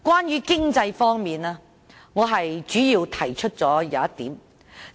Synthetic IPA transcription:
kwaː˥nɥyː˨˧kɪ˥ŋt͡sɐ˧jfɔː˥ŋmiː˨naː˧˥ | ŋɔː˨˧ɦɐ˨jt͡ʃyː˨˥jiː˧wt̪ʰɐ˨˩jt͡ʃʰɵ˥t̚t͡sɔː˨˥jaː˨˧ɐ˥t̚t̪iː˨˥m

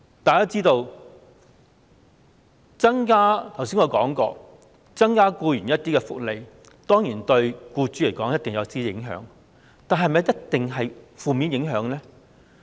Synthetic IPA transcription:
t̪aː˨kaː˥t͡siː˥t̪o˧w | t͡sɐ˥ŋkaː˥t̪ʰwsiː˥ŋɔ˨˧kɔː˨˥ŋkɔː˧ | t͡sɐ˥ŋkaː˥kuː˧jyː˨˩njɐ˥t̚t̪iː˥kɛ˧fʊ̰˨k̚le˨˧j | t̪ɔː˥ŋjiː˨˩nt̪ɵ˧ɥkuː˧t͡ʃyː˨˥le˨˩jkɔː˨˥ŋjɐ˥t̚t̪ɪ˨ŋjɐ˨˧wtiː˥jɪ˨˧˥ŋɦœ̰ː˨˥ŋ | t̪aː˨nɦɐ˨jmɐ˨˩jɐ˥t̚t̪ɪ˨ŋɦɐ˨jfuː˨miː˨˧njɪ˨˥ŋɦœː˨˥ŋlɛː˥

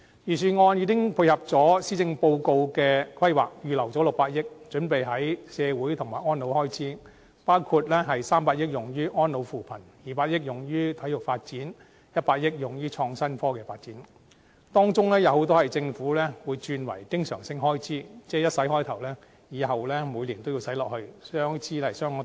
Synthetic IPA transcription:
jyː˨˩syː˨˩nŋɔː˧njiː˨˧˥kɪ˥ŋpʰu˧jhɐ˨p̚t͡sɔː˨˥siː˥t͡sɪ˧ŋpo˧wko˧wkɛː˧kʰwɐ˥jwa̰ː˨k̚jyː˨lɐ˨˩wt͡sɔː˨˥lʊ˨k̚paː˧t̚jɪ˥k̚t͡ʃɵ˨˥npe˨jɦɐ˨˥jsɛː˨˧wuː˨˥jt̪ʰʊ˨ŋmaː˨˩jɔː˥nlo˨˧whɔː˥jt͡sʰiː˨˥ | paː˥wkʰuː˧t̚lɛ˥ɦɐ˨jsaː˥mpaː˧t̚jɪ˥k̚jʊ˨˩ŋjyː˥ʔɔː˥nlo˨˧wfuː˨pʰɐ˨˩njiː˨˩paː˧t̚jɪ˥k̚jʊ˨˩ŋjyː˥t̪ʰɐ˨˥jʊ˨k̚faː˧t̚t͡siː˨˥n | jɐ˥t̚paː˧t̚jɪ˥k̚jʊ˨˩ŋjyː˥t͡ʃʰɔː˧ŋsɐ˥nfɔː˥kɛː˧faː˧t̚t͡siː˨˥n | t̪ɔː˥ŋt͡sʊ˥ŋlɛː˥jɐ˨˧who˨˥wt̪ɔː˥hɐ˨˩jt͡sɪ˧ŋfuː˨˥lɛː˥wu˨˧jt͡ʃyː˧nwɐ̰˨˩jkɪ˥ŋsœ̰ː˨˩ŋsɪ˧ŋhɔː˥jt͡sʰiː˨˥t͡sɛː˥jɐ˥t̚sɐ˨˥jhɔː˥jt̪ʰɐ˨˩wlɛː˥ | jiː˨˧ɦɐ˨wlɛː˥muː˨˧jliː˨˩nt̪o˥wji˧wsɐ˨˥jlɔː˨k̚hɵ˧ɥsœː˥ŋt͡sʰiː˥lɐ˨˩jsœː˥ŋɔ˨˥

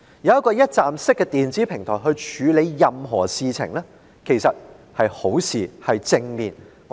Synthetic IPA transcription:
jɐ˧wɐ˥t̚kɔː˧jɐ˥t̚t͡saː˨msɪ˥kːɛ˧t̪iː˨nt͡siː˨˥pʰɪ˨˩ŋt̪ʰɔː˨˩jɦɵ˧ɥt͡ʃʰyː˨˧le˨˧jːɐ˨mɦɔ̰ː˨˩siː˨t͡sʰɪ̰˨˩ŋlɛː˥ | kʰe˨˩jsɐ˨t̚ | hɐ˨jho˨˥wsiː˨hɐ˨jt͡sɪ˧ŋmiː˨n | ŋ˧

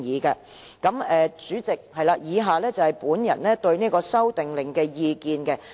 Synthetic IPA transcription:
jiː˨˥kɛ˧ | kɐ˨˥mɛː˨t͡syː˨˥t͡sɪ˨k̚hɐ˨jlaː˧jiː˨˧ɦaː˨˧lɛː˥t͡sɐ˨whɐ˨jpuː˨˥njɐ̰˨˩nnɛː˥t̪ɵ˧ɥniː˥kɔː˧sɐ˥wt̪ɪ˨ŋlɪ˨ŋkɛː˧jiː˧kiː˧nkɛ˧

